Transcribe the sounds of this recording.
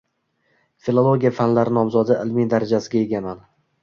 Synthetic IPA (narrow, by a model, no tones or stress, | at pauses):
filˠolˠo̞ɡʲijafanlaɾɪnɒmzɒd̪ɪʔɪlmid̪aɾad͡ʒasɪɡʲae̞ɡʲaman